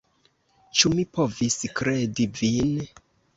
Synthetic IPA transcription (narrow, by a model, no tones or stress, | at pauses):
t͡ʃumipoviskɾedivin